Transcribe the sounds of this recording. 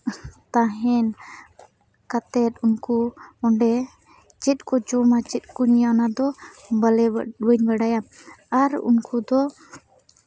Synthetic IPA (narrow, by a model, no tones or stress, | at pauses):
t̪aɦɛn | kat̪ɛt̪uŋkuɔnɖɛ | t͡ʃit̪̚kɔd͡ʒɔmat͡ʃit̪̚kuɲijanad̪ɔbalɛwəɲwaɖajamaɾṵŋkʰud̪ɔ